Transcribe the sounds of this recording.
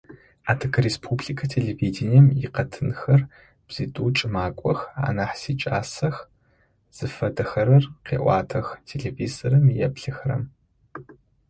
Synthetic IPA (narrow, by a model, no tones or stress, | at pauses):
aːtʰɨkʰrespʰubɮikʰɐtʰeɮeviːdeniɛmjɪqɐtʰɨnxɐr | b̥z̥itʼuːt͡ʃʼɨmaːkʷʼɔxa̰ːnaħsit͡ʃʼaːsɐx | z̥ɨfɐdɐxɐɾɐrqḛːʔʷɑ̰ːtʰɐxtʰeɮeviːzɐɾɐmjɛpɬɨxrɐ̰m